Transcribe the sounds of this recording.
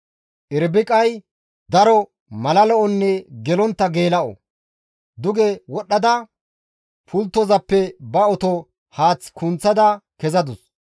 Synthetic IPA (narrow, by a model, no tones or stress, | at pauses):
ʔɪɾbɪkʼɐj | d̪ɐɾɔ | mɐlɐlɔʔɔnːɛɡɛlɔnt̪ːɐɡeːlɐʔɔ̰ | d̪ʊɡɛwɔɗːɐd̪ɐ | pʰʊlt̪ːɔzɐpːɛbɐɔt̪ɔ | haːt͡sːkʊnt͡sːɐd̪ɐkɛzɐd̪ʊs